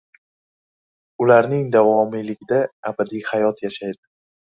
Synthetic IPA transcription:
ʊlaɾnɪŋd̪avɒmɪlɪɡʲɪd̪aabad̪ijhajɒt̪jaʃajd̪ɪ

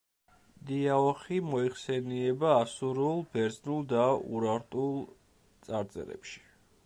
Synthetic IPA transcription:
d̪iaɔχimɔiχsɛniɛbaːsuɾulˠbɛɾd̪znulˠd̪aṵɾaɾt̪ʼulˠ | t̪sʼaɾd̪zʼɛ̰ɾɛ̰pʃi̥

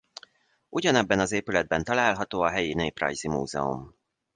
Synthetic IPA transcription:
ʔuɟɒnɛbːɛnɒzeːpylɛd̪̚bɛnt̪ɒlaːlɦɒt̪oːɒɦɛjineːprɒ̰jzimṵːzɛ̰ṵm

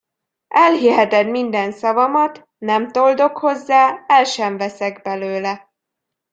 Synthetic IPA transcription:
ɛlɦiɦɛt̪ɛd̪mind̪ɛnsɒvɒmɒt̪ | nɛmt̪o̞ld̪o̞kho̞zːaːɛlʃɛɱvɛsɛɡbɛløːlɛ

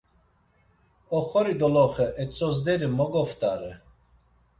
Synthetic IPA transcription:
ɔχɔɾid̪ɔlɔχɛʔɛt͡sʼɔzd̪ɛɾimɔɡɔft̪ʼaɾɛ

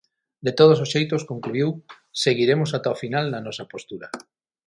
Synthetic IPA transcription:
d̪et̪oð̞ososʃejt̪oskoŋkluiw | seɣiɾemosat̪aofinalnanɔsɐpost̪uɾa

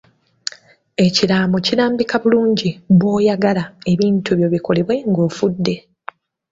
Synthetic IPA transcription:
e̞ciɾaːmociɾaːmbikaβuluːɲɟiβwo̞ːjaɡalae̞βiːntuβjo̞βiko̞le̞βwe̞ŋɡo̞ːfudːe̞

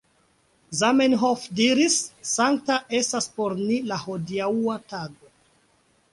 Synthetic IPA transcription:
zamenɦofdiɾisːaŋk̚taʔe̞staspoɾnilahodiawataɡo

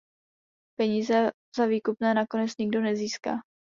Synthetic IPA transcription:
pɛɲiːzɛ | z̥aviːkupnɛːnako̞nɛt͡sɲɪɡdo̞nɛziːska̰ː

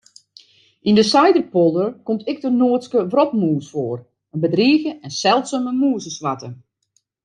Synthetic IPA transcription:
ʔindəsajdərpolˠdərkomtɪk̚tənoətskəʋrɔpmuːsfoːr | ənbədriːɣəɛnsɛlˠtsəmənmuːsəsʋatə

